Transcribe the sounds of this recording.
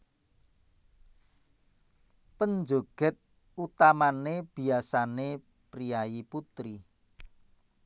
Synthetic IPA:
pənd͡ʒoɡ̥ə̤t̪̚ | ut̪amaneb̥i̤asane | pɾijajiput̪ɾi

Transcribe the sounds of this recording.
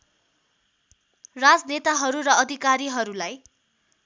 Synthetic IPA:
rad͡znet̪aɦʌɾurʌʌd̪ʱikaɾiɦʌɾulaj

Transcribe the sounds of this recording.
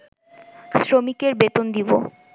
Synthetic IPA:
sɾomikeɾbet̪ond̪ibo̰

